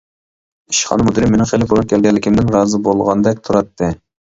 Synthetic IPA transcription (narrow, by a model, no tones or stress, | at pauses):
iʃχɑ̰nɨmud̪ɨɾɪmːenɪŋχelɪbolˠup̚kʲʰɛlɡʲɛnlːɪkʲʰimd̪ɪnɾɑːzɨbolˠʁɑnd̪ɛk̚ʲt̪ʰuɾɑt̪ʰːɨ